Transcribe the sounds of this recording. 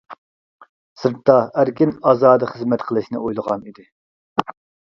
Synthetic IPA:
sɨɾt̪ːɑæɾkʲinɑːzɑːd̪ɨχəzmɛt̪qʰəlˠɨʃnɪ̰ojlˠəʁɑnid̪ɪ

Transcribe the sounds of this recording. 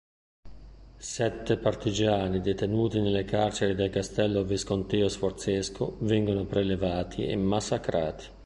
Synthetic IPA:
sɛt̪ːepart̪id͡ʒaːnid̪et̪enuːt̪inelːekart͡ʃeɾid̪elkast̪ɛlːoviskont̪ɛːosfort̪sɛskʰovɛŋɡonopɾelevaːt̪ʰiḛmːasːakɾaːt̪i̥

